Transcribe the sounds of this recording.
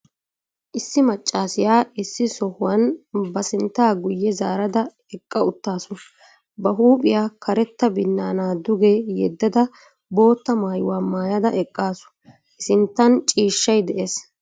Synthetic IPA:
ʔɪsːɪmɐt͡ʃʼːaːsɪjaːʔɪsːɪsɔhʊwɐnbɐsɪnt̪ːaːɡʊjːɛzaːɾɐd̪ɐ | ɛkʼːɐʊt̪ːaːsʊ | bɐɦuːpʼɪjaːkʰɐɾɛt̪ːɐbɪnːaːnaːd̪ʊɡɛjɛd̪ːɐd̪ɐ | bo̞ːt̪ːɐmaːjʊwaːmaːjɐd̪ɐʔɛkʼːaːsʊ̥ | ʔɪsɪnt̪ːɐnt͡ʃʼiːʃːɐjd̪ɛʔeːs

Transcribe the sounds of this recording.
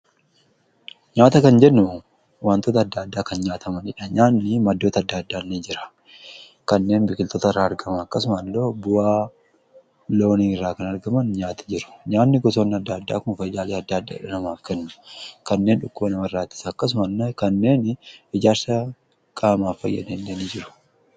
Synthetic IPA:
ɲaːt̪ɐkɐnd͡ʒɛnːʊ | waːnt̪oːt̪ɐːd̪ːad̪ːaːkɐnɲaːt̪ʰɐmɐnɪᶑɐɲaːnːɪmɐd̪ːo̞ːt̪ɐɐd̪ːaːd̪ːaːnːed͡ʒɪɾɐ̥ | kɐnːe̞ːnbɪkɪlt̪oːt̪ɐɪrːaːɐɾɡɐmɐɐkːɐsʊmɐnlːoːbʊwaː | lo̞ːniːɪrːaːkɐnɐɾɡɐmɐnɲaːt̪ɐ̥d͡ʒɪɾʊ̥ɲaːnːɪɡɔs̬oːnːɪɐd̪ːad̪ːa̰ːkʊnfɐjd̪aːleːɐd̪ːaːɐd̪ːa̰ːɪᶑɐnɐmaːfkɛnːʊ̥kɐnːe̞ːnᶑʊkːʊbɐnɐmɐrːaːt̪ːɪ̥sɐːkːɐs̬ʊmɐnːkɐnːe̞ːnɪd͡ʒaːɾsɐ | kʼaːmaːfːɐjːɐ̰d̪eːnːenid͡ʒɪɾʊ̥

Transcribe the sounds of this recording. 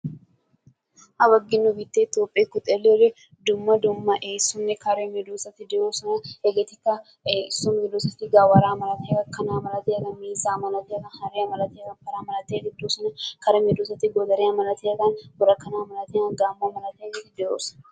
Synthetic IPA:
ʔɐbɐɡːɪnːʊbɪt̪ːeːt̪oːpʼːeːkʊt̪ʼelːeɾɛ | d̪ʊmːɐd̪ʊmːɐʔeːsːʊnːɛkɐɾemɛd̪uːsɐt̪ːɪd̪ɛɾoːsɐnɐheɡɛt̪ɪkːɐ | esːʊmɡɛd̪uːsɐt̪ːɪɡawɐɾaːmɐlɐt̪eːkɐkːɐnaːmɐlɐt̪eːkɐnmiːzaːmɐlɐt̪eːkɐnhɐɾeɐmɐlɐt̪eːkɐnpɐɾaːmɐlɐt̪eːt̪ɪd̪usɐnɐkɐɾɛmɛd̪usɐt̪ːɪɡɔd̪ɐɾeɐmɐlɐt̪eːkʼɐnbʊɾɐkːɐnaːmɐlɐt̪eːkɐnɡaːmːomɐlɐt̪eːt̪ːɪd̪ɛo̰ːsɐ̥

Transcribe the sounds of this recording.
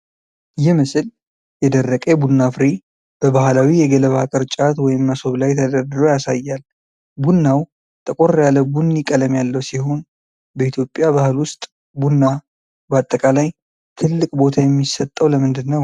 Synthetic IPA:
jɪhmɨsɨl | jɛd̪ərːəkʼɛbunːafɾi | b̥əbahlawijɛɡələβakʼɨɾt͡ʃʼat̪wɔjɪmːəso̞βlajt̪ʰəd̪əɾd̪ɨɾojasajːal | bunːaw | t̪ʼəkʼoɾjaləbunjikʼələmjalːəwsihon | bəit̪ʰjo̞pʼːjabahɨlwʊst̪ʼ | bunːa | bat̪ʼːəkʼalaj | t̪ʰɨlːɨkʼbo̞t̪ʰajɛmːisət̪ʼːəwləmɨnd̪ɨnːəw

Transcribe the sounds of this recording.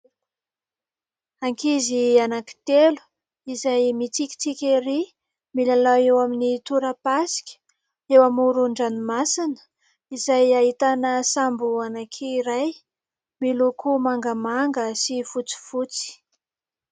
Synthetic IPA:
aŋkizianaki̥t̪elu̥ | izajmit͡sikʲi̥t͡sikʲeɾi | milalawewaminit̪uɾəpasi̥kʲə̥ | ewamuɾuɳɖ͡ʐanimasinə̥ | izajaɦit̪anəsambuanakʰiiɾaj | milukumaŋɡəmaŋɡəsifut͡si̥fut͡si̥

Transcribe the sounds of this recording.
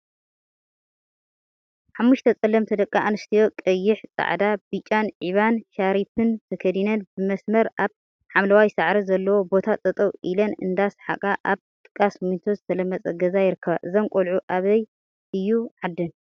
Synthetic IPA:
ħamːuʃt̪ʰɐt͡sʼɐlɐmt̪ʰɨd̪ɐkʼːaʔanɨst̪ʰijo̞kʼɐjːɪħt͡sʼa̰ʕd̪abit͡ʃʼanʕiβanʃaɾifʰɨnt̪ʰɐkʰɐd̪inɐnbɨmɐsmɐɾʔaβ | ħamlɐwajsaʕɾizɐlːɐwo̞bo̞t̪ʰat͡sʼɐt̪ʼɐwʔilɐnɨ̰nd̪asħa̰kʼaʔaβ | t̪ʼɨ̥kʼːasmint̪ʰozɨt̪ʰɐlɐmːɐt͡sʼɐɡɐzajɪɾɨkʰːɐβaʔɨzɐŋkʼolʕuʔaβɐj | ʔɨjːuʕad̪ːɨn

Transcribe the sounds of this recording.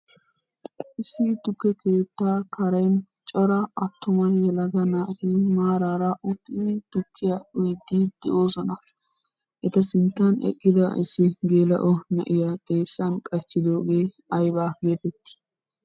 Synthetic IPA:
ʔɪsːɪt̪ʊkːɛkeːt̪ːaːkʰɐɾɐjn | t͡ʃʼɔɾɐʔɐt̪ːʊmɐjɛlɐɡ̪ɐnaːt̪imaːɾaːɾɐʔʊt̪ːɪɪt̪ʊkʰːɪjɐɗʊjd̪id̪̥ɛʔo̞ːsɔnɐ | ʔɛt̪ɐsɪnt̪ːɐnɛ̰kʼːɪd̪ɐ̰ʔɪ̰sːɪɡeːlɐ̰ʔɔnɐ̰ʔɪjɐt̪ʼe̞ːsːɐnkʼɐt͡ʃːɪd̪oːɡeː | ɐjbaːɡe̞ːfɛt̪ːɪ̥

